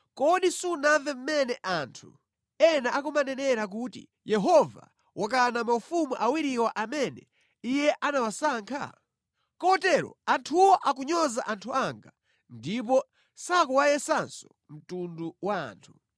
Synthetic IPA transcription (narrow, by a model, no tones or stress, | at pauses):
kɔɗisunavɛm̩mɛnɛʔantʰu | ɛnaʔakumanɛnɛɾak̬utḭ | jɛɦɔva̰ | wʔak̬anamaufumuʔawiɾiwaʔamɛnɛ̰ | ijɛʔanawasaːŋkʰa̰ | kɔtɛɾɔ̰antʰuwɔʔakuɲɔzaʔantʰuaŋɡa | ndip̬ɔ | sakuwajɛsansɔ̥ | m̩tunduwaa̰ːntʰu